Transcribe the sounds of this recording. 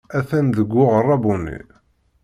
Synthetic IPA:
æθænðəɡʷːʊʁərˤːɑbunːḭ

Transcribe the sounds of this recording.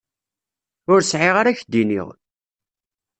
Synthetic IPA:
ʊɾsʕɪʁaɾæçd̪ːinḭʁ

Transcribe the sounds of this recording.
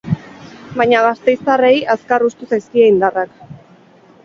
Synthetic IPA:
bajɲaɣast̪e̞jst̪arejaskarust̪usajskieind̪arak

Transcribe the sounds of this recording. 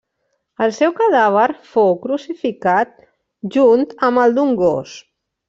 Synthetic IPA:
əlˠsɛwkəðaβ̞əɾfowkɾusifikat̪̚ | ʒunt̪əməlˠd̪uŋɡo̰s

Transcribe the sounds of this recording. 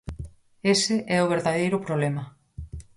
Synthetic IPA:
esɪʔɛʊβ̞eɾðaðejɾʊpɾoβlemɐ

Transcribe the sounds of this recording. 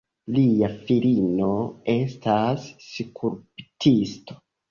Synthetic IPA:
liafilino̞e̞stʰasːikʰuɾptʰisto̞̥

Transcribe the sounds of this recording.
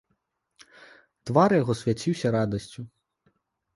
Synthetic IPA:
t̪ʋɑɾjɔɦɔsʋʲjɐt͡sʲiwsʲɐɾɑd̪ɔsʲtʲʊ

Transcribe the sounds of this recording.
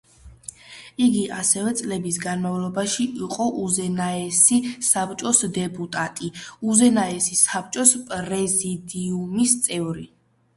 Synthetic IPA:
iɡiʔasɛvɛt̪sʼlɛbisɡanmavlˠɔbaʃiʔiqʼɔʔuzɛnaɛsisapt͡ʃʼɔsd̪ɛpʼut̪ʼat̪ʼiuzɛnaɛsisap̚ʰt͡ʃʼɔspʼɾɛzid̪iumist̪sʼɛvɾi

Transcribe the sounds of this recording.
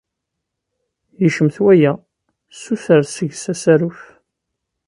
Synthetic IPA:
jiʃəmθwæjæ | suθəɾsəʝsæsæɾuf

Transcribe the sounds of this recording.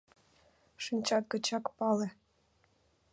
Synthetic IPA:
ʃinʲt͡ɕɑt̪̚kɤ̆t͡ɕɑkpɑlĕ

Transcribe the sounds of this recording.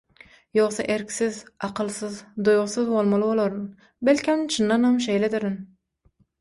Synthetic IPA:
joχsɑʔeɾkʲsɪzɑqʰɨlˠsɨzd̪ojʁsɨzbolˠmɑlˠɨbolˠɑɾn | bælkʲhæmt͡ʃʰɨnːɑnhɑmʃ̬e̞jled̪ɪɾɪn

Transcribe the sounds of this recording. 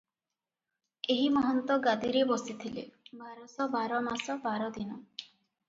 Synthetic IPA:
eɦimɔɦɔnt̪ɔɡad̪iɾebɔsit̪ʰilḛbʱaɾɔsɔbaɾɔmasɔbaɾɔd̪inɔ

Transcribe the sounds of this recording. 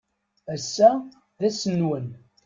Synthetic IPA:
æsːæ | ðæsənwən

